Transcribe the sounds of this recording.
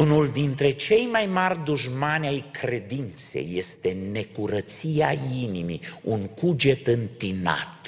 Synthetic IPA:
unuld̪int̪ɾe̞t͡ʃe̞jmajmarʲd̪uʒmanʲajkɾe̞d̪int̪se̞̰jːe̞st̪e̞ne̞kuɾət̪siainimḭuŋkud͡ʒe̞t̪ɨnt̪ina̰t̪

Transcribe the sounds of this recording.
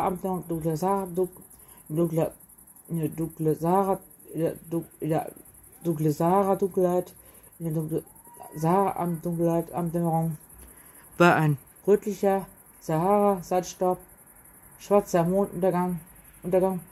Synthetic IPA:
ʔamdʊŋkləzaʁa | dʊŋkl | ndʊŋkləzaːʁa | d̥ʊŋkləzaːʁadʊŋkl̩haɪt | ɪndɛ | zaːʁa̰ʔa̰md̥ʊŋklhaɪtʔa̰mtd̥ɛmɐʁʊŋ | v̥aːɐʔaɪn | ʁøːtlɪçɐ | z̥aaːʁazaɪtʃtɔɐp̚ | ʃv̥aɐt͡sɐmoːnɐŋ | ʔʊntɐɡaŋ

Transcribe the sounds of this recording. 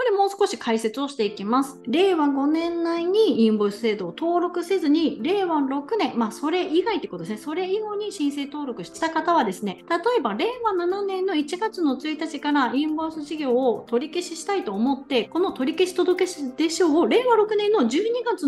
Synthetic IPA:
ko̞ɾe̞mo̞ːsɨ̥ko̞ɕikʰaise̞t͡sɨo̞ɕi̥t̪e̞ikʲimasɨ̥ɾe̞ːβaɡo̞nẽ̞nːaiɲ̟iĩmboːsɨ̥se̞ːd̪o̞ːt̪o̞ːɾo̞kɯ̟se̞zɨɲ̟iɾe̞ːβaɾo̞kɯ̟nẽ̞mmaso̞ɾe̞ʔiɡait̪eiekot̪odesneso̞ɾe̞iɡo̞ːɲ̟iɕĩɰ̃se̞ːt̪o̞ːɾo̞kɯ̟ɕi̥t̪e̥t̪akat̪aβad̪e̞sɨne̞t̪at̪o̞e̞baɾe̞ːβanananẽ̞nːo̞it͡ɕiɡat͡sɨno̞t͡sɨit̪at͡ɕikaɾaĩmbosɨʑiɡʲo̞ːt̪o̞ɾʲikeɕiɕi̥t̪ait̪o̞ːmo̞t̪ːe̞ko̞no̞t̪o̞ɾʲikeɕi̥t̪o̞d̪o̞ke̞ɕd̪̥e̞ɕo̞ːɾe̞ːβaɾo̞kɯ̟nẽ̞nːo̞ʑɨːɲ̟iɡat͡sɨ

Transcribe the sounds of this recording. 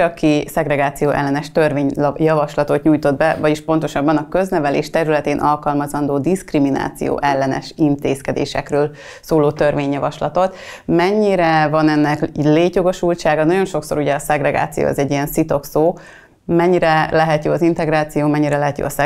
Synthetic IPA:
ɒkisɛɡɾɛɡaːt̪sijoːʔɛ̰lːɛnɛʃt̪ørveːɲjɒvɒʃlɒt̪o̞t̪ɲuːjt̪o̞d̪bɛvɒɟiʃpo̞nt̪oʃɒbːɒnɒkø̞znɛvɛleːʃt̪ɛɾylɛt̪eːnʔɒlkɒlmɒzɒnd̪oːd̪iskrimina̰ːt̪sḭjo̰ːʔɛlːɛnɛ̰ʃint̪eːskɛd̪ḛːʃɛ̰krøːl | soːloːt̪ø̞rveːɲjɒvɒʃlɒt̪o̞t̪ | mɛɲːiɾɛvɒnɛnːɛkleːcjo̞ɡo̞ʃult͡ʃaːɡɒnɒɟo̞nʃo̞kso̞̰ɾuɟɛɒsɛɡrɛɡa̰ːt̪sijo̰ːɒ̰zɛɟːijɛnsit̪o̞ksoː | mɛɲːiɾɛlɛɦɛt̪joːɒzint̪ɛɡɾaːt̪sijoːmɛɲːiɾɛlɛɦɛt̪jo̰ːɒsɛ

